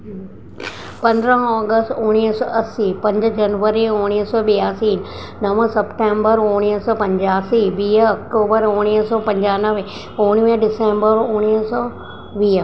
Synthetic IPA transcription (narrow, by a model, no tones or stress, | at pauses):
pɐ̃nd̪ɾəɦɔːɡəsʈũɽ̃iɦsɔːʔɐsipɐ̃ɲd͡ʑd͡ʑɐnʋəɾiʊɽ̃iɦsɔːɓijaːsiːn | nɐʋsɐpʈẽːmbəɾũɽ̃iɦsɔːpɐ̃ɲd͡ʑaːsiʋiːɦɐk̚ʈoːbəɾũɽ̃iɦsɔːpɐ̃ɲd͡ʑaːnəʋ | ũːɽ̃iəɖɪsẽːmbəɾʊɽ̃iɦsɔː | ʋiːɦə